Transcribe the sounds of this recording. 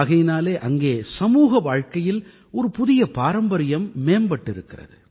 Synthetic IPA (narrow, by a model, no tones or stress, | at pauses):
ɣɐjɪnaːleːʔɐŋɡeːsɐmuːɣɐʋaːɻkɐjɪl | ɔɾɯpʊðɪjɐpaːɾɐmbɐɾɪjɐmːeːmbɐʈːɪɾɯkːɪrɐ̰ðɯ̰